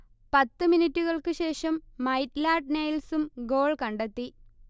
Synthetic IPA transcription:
pɐt̪ːɨminitːuɣɐɭkɨɕe̞ːʂɐmːɐjtlaːʈ̚nejlsumɡo̞ːɭkɐɳɖet̪ːi

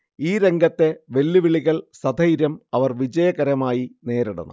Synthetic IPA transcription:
iːɾe̞ŋɡʱɐt̪ːe̞ʋe̞lːiʋiɭiɣɐɭsɐd̪ʱɐjiɾjɐmɐʋɐrʋid͡ʑɐjɐɣɐɾɐmaːjine̞ːɾiɽṵnːṵ

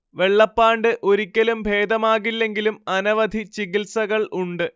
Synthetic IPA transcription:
ʋe̞ɭːɐpːaːɳɖɨʔoɾikʲːɐlumbʱe̞ːd̪ɐmaːɣilːe̞ŋɡilumɐnɐʋɐd̪ʱit͡ɕiɣilsɐɣɐɭuɳɖɨ

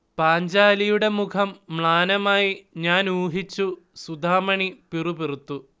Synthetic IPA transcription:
paːɲd͡ʑaːlijuɽe̞mukʰɐmːɭaːnɐmaːjiɲaːnuːɦit͡ɕːusud̪ʱaːmɐɳipirupirut̪ːu

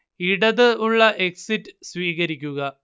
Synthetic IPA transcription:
iɽɐðɨuɭːɐʔeksitːɨsʋiːɣɐɾikʲːuɣɐ

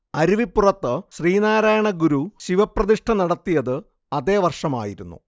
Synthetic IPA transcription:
ɐɾiʋipːurɐt̪ːɨɕriːnaːɾaːjɐɳɐɡuɾuɕiʋɐprɐðiʂʈʰɐnɐɽɐt̪ːijɐðɨ | ɐðe̞ːʋɐrʂɐma̰ːjiɾunːṵ

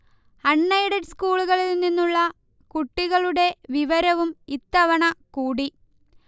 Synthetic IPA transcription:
ɐɳːɐjɽɐɖskuːɭuɣɐɭilninːuɭːɐ | kuʈːiɣɐɭuɽe̞ʋiʋɐɾɐʋumit̪ːɐʋɐɳɐkuːɽi

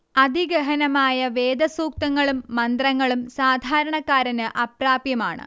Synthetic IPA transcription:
ɐd̪ʱiɡɐɦɐnɐmaːjɐʋe̞ːd̪ɐsuːk̚t̪ɐŋːɐɭumːɐnd̪rɐŋːɐɭumsaːd̪ʱaːɾɐɳɐkːaːɾɐnɨʔɐpraːbjɐmaːɳɨ̰

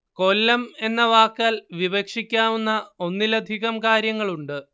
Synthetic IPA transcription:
ko̞lːɐme̞nːɐʋaːkːaːlʋiʋɐkʂikʲːaːʋunːɐonːilɐd̪ʱiɣɐmkaːɾjɐŋːɐɭuɳɖɨ

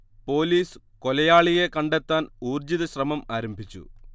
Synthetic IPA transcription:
po̞ːliːsɨ̥ | kolɐjaːɭije̞kɐɳɖet̪ːaːnuːrd͡ʑiðɐɕrɐmɐmaːɾɐmbʱit͡ɕːṵ

